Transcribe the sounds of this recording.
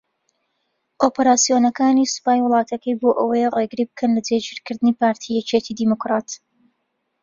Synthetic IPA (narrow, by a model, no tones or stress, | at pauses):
ʔopeɾaːsijonɐkaːnisɨ̥paːjwʊlˠɑːt̪ʰɐkʰəjboːʔəwəjreɡɨɾibɨkʰɐnlɐd͡zed͡ʒiɾkɨɾd̪ɨnipaːɾt̪ʰijɛt͡ʃet̪ʰid̪imokɾaːt̪